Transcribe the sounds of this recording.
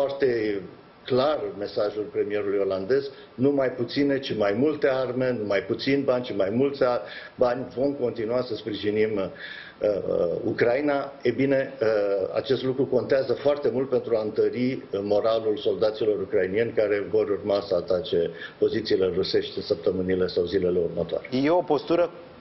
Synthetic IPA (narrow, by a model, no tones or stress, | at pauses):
fart̪e̞ | klarme̞saʒulpɾe̞mije̞ɾulujo̞land̪e̞z | numajput̪sine̞t͡ʃimajmult̪e̞arme̞numajput̪sinʲbanʲt͡ʃimajmult̪abanʲvo̞mko̞nt̪inuasəspɾiʒinim | əṵkɾainaejbine̞ | a̰t͡ʃe̞st̪lukɾuko̞nt̪eazəfoart̪e̞mult̪̚pe̞nt̪ɾuaɨnt̪əɾimo̞ɾalulso̞ld̪at̪silo̞ɾukɾainije̞nʲkaɾe̞vo̞ɾurmasəat̪at͡ʃe̞po̞zit̪siːle̞ruse̞ʃt̪ʲɨnsəp̚t̪əmɨnile̞sawzile̞le̞urmət̪oa̰ɾejeo̞po̞st̪uɾə